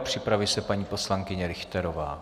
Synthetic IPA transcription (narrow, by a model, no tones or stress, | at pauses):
pr̝̥ɪpɾavɪsɛpaɲiːpo̞slaŋkɪɲɛɾɪxt̪ɛɾova̰ː